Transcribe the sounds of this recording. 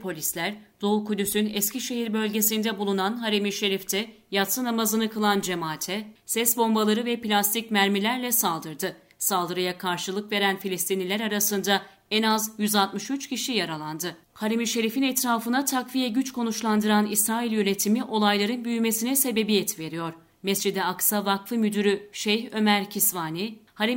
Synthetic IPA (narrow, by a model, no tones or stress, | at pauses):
pʰo̞lʲislʲæɾd̪̥o̞ukud̪ysynɛscʰiʃe̞ɦiɾbø̞lʲɟe̞sind̪ɛbulˠunanɦaɾemiʃe̞ɾift̪ʰɛ | jat̪sɯnamazɯnɯkɯlˠand͡ʒe̞maːt̪ʰɛsɛsbo̞mbalˠaɾɯvɛplʲast̪ʰicmæɾmilʲæɾlʲɛsalˠd̪ɯɾd̪ɯ | salˠd̪ɯɾɯjakʰaɾʃɯlˠɯkve̞ɾænfilʲist̪ʰinilʲæɾaɾasɯnd̪a | ɛnazjyzalˠt̪mɯʃyt͡ʃciʃijaɾalˠand̪ɯ | haɾemiʃe̞ɾifinɛt̪ɾaːfɯnat̪ʰakvijɛɟyt͡ʃko̞nut͡ʃlˠand̪ɯɾanisɾaːilʲjø̞ne̞t̪ʰimiʔo̞lˠajlˠaɾɯnbyjyme̞sinɛse̞be̞bijɛt̪ve̞ɾijo̞ɾ̥ | mɛsd͡ʒid̪ɛaksavakfɯmyd̪yɾyʃejɦø̞mæɾcʰisvaːnihaɾe